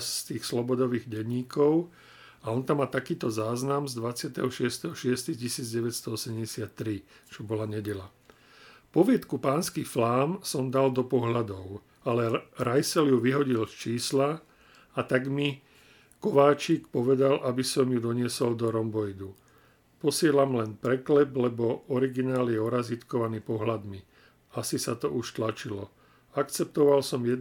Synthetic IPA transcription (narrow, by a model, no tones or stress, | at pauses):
st̪iːxslɔbɔd̪ɔʋiːɣɟɛɲːiːkɔʊ | aɔnt̪amːaːt̪akiːt̪ɔzaːznamzd̪ʋat͡sɪat̪ɛɦɔʃɪɛst̪ɛɦɔʃɪɛst̪iɣcisiːd͡zɟɛʋɛt̪st̪ɔɔsɛmɟɛsɪat̪ːɾit͡ʃɔbɔlaɲɛɟɛʎa | pɔʋɪɛt̪kupaːnskiflaːmsɔmd̪ald̪ɔpɔɦlad̪ɔʊ | alɛɾajsɛljuʋiɦɔɟilst͡ʃiːsla | at̪aɡmi | kɔʋaːt͡ʃikpɔʋɛd̪alʔabisɔmjud̪ɔɲɪɛsɔld̪ɔɾɔmbɔjd̪u | pɔsɪɛlamlɛnpɾɛklɛblɛbɔɔɾiɡinaːljɛɔɾazit̪kɔʋaniːpɔɦlad̪mi | asisat̪ɔʔuʃt̪lat͡ʃilɔ | akt͡sɛp̚t̪ɔʋalsɔmjɛd̪